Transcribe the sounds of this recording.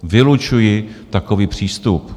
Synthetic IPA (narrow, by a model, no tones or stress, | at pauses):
vɪlut͡ʃujɪt̪akoviːpr̝̥iːst̪up